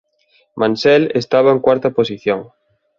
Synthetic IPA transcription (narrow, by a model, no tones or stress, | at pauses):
mãnsɛlest̪aβ̞aeŋkwaɾt̪ɐposiθjoŋ